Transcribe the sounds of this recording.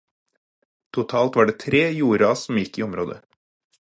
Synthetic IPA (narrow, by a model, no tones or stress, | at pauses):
t̪ʰʊt̪ʰɑːlt̪ʋɑːɖeːt̪ʰɾeːjuːɾɑsɔm̩jɪkːiːɔmɾoːd̪ə̰